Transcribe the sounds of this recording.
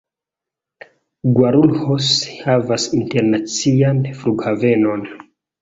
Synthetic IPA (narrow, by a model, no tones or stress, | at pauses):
ɡwaɾulhoshavasinte̞ɾnat͡sianfluɡhave̞no̞n